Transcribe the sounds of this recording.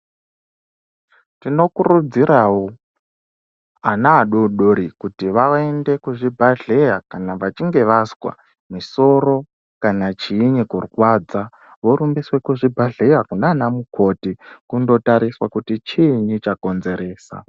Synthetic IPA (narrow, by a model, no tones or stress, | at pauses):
tino̞kuɾud͡ziɾawo | anaːɗoɗoɾikutiʋaaende̞kuʐibʱaɮe̞jakanaʋat͡ʃiŋɡe̞ʋaswa̰ | miso̞ɾo̞ | kanat͡ʃiːɲikurkwaːd͡za | ʋoɾumbiswe̞kuʐibʱaɮe̞jakunaːnamukʰo̞tikundo̞taɾiswakutit͡ʃiɲit͡ʃako̞nze̞ɾe̞ːsa̰